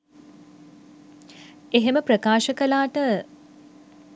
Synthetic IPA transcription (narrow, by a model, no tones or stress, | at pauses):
eɦeməpɾəkaːʃəkəlaːʈə